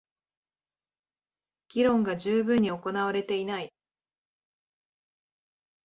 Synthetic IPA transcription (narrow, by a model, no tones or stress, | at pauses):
ɡ̥ʲiɾõ̞ŋɡaʑɨːbɯ̟̃ɲ̟ːio̞ko̞naβ̞aɾe̞t̪e̞inai